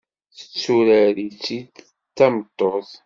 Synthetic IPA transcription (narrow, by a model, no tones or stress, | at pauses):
θə̥t͡sːuɾæɾit͡sːid | t͡sːæmət̪ˤːoθ